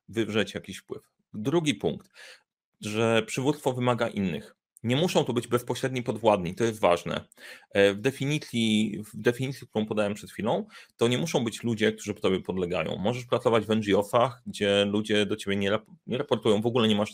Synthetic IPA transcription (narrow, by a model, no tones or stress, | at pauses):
vɘvʐɛt͡ɕjakʲiɕfpwɘf | d̪ɾuɡʲipuŋkt̪ | ʐɛpʂɘvut̪st̪fɔvɘmaɡaʔinːɘ̰x | ɲɛmuʂɔ̃w̃t̪ɔbɘd͡ʑbɛspɔɕɾɛd̪ɲipɔd̪vwad̪ɲit̪ɔjɛst̪va̰ʐnɛ̰ | vd̪ɛfʲiɲit̪sʲjid̪ɛfʲiɲit̪sʲjik̚t̪uɾɔ̃w̃pɔd̪awɛmpʂɛt̪xʲfʲilɔ̃w̃t̪ɔɲɛmuʂɔ̃w̃bɘt͡ɕlud͡ʑɛk̚t̪uʐɨpɔ̥t̪ɔbjɛpɔd̪lɛɡa̰jɔ̰̃w̃mɔʐɛʂpɾat̪sɔvad͡ʑvɛnʐiɔsaxɡd͡ʑɛlud͡ʑɛd̪ɔt͡ɕebʲjɛɲɛɾapɲɛɾapɔɾt̪ujɔ̃w̃vɔɡulɛɲɛmaʂ